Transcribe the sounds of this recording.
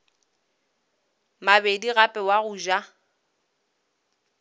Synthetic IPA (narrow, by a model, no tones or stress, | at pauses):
mabediɣapʼɛwaɣuʒa